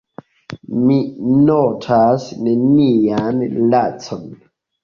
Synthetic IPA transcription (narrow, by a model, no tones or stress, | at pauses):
minotʰasnenijanlat͡sɔn